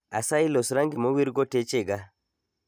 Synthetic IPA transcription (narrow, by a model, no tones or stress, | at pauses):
a̰sailosɾaŋɡimowiɾɡotet͡ʃeɡa